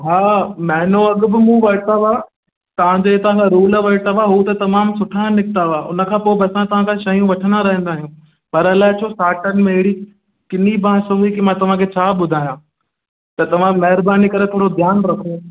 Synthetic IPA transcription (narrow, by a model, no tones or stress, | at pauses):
ɦaːmɐɦɪnoɐɠʊbɪmũʋɐɾt̪aʋa | t̪ɐʋ̤ãd͡ʑeet̪ɐʋ̤ãkʰãɾuːlaʋɐɽʈ̪aʋaɦut̪ɐt̪ɐmaːmsʊʈʰanɪk̚t̪aʋaʔʊ̰nə̆kʰãːpoːɪbɐsãt̪ɐʋ̤ãkʰãʃɐijũʋɐʈʰə̃nd̪aɾɐɦə̃nd̪aːɦijũː | pɐɾɐlaːɪt͡ɕʰoːsaːʈənɪ̆mẽɪɪɽi | kɪnibãːsoɦikimãːt̪ɐʋ̤ãkʰet͡ɕʰaːɓʊd̪ʱaːijã | t̪ɐt̪ɐʋ̤ãmɐɦɪɾbaːnikɐɾet̪ʰoːɾod̪ʱjaːnɾɐkʰoː